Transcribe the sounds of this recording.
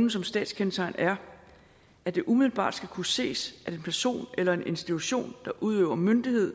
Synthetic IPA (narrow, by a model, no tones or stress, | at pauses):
n̩sɒ̽msd̥ɛ̰ːd̥skʰensʰɑ̈ɪnæɐ | æd̥e̝ʔumiðˠl̩b̥ɑ̰̈ːd̥sɡ̥ækʰuse̝̰ːsʔæ̥e̝npʰæɐso̝̰ːnelɐe̝nʔe̝nsd̥it͡sʰuɕo̝̰ːnd̥ɑ̈ʔuðˠø̰ːʊɐmønd̥ihe̝ð̞̰ˠ